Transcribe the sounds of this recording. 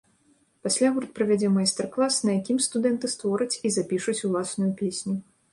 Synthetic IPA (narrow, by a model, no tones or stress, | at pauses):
pasʲlʲaɣuɾut̪̚pɾɐvʲad͡zʲɛmajst̪ɛrklˠasnɐjakʲimst̪ud̪ɛnt̪ɨst̪vɔɾɐt͡sʲizapʲiʂut͡sʲulˠasnʊjupʲesʲnʲu